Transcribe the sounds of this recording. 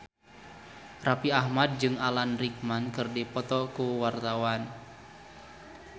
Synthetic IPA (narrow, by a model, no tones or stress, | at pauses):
rapiahmad̚d͡ʒɨŋalanrik̚mankɨrdipɔt̪ɔkuwart̪awan